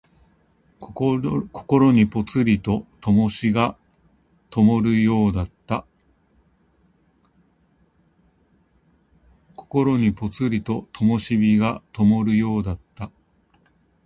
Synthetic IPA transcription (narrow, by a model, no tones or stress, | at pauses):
kʰo̥ko̞ɾo̞ɲ̟ipo̞t͡sɨɾʲit̪o̞t̪o̞mo̞ɕiɡa | t̪o̞mo̞ɾɯ̟jo̞ːd̪at̪ːa | ko̞ko̞ɾo̞ɲ̟ipo̞t͡sɨɾʲit̪o̞t̪ʰo̞mo̞ɕibʲiɡat̪o̞mo̞ɾɯ̟jo̞ːd̪at̪ːa